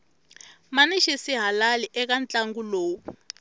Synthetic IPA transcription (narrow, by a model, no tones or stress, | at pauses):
maniʃesiɦalaliʔɛk̬ant͡ɬʼaŋɡuloːu